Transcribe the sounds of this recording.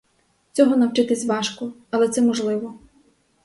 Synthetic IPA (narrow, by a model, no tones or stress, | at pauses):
t͡sʲɔɦɔnɐwt͡ʃɪt̪ɪsʲʋɑʃkɔ | ɐlˠɛt̪sɛmɔʒlˠɪʋɔ